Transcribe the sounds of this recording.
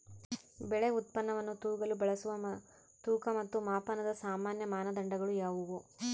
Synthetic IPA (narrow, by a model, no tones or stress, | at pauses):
bɛɭeut̪̚pɐnːɐʋɐnːut̪uːɡɐlubɐɭɐsuʋɐ | t̪uːkɐmɐt̪ːumaːpɐnɐd̪ɐsaːmaːnjɐmaːnɐd̪ɐɳɖɐɡɐɭujaːʋuʋu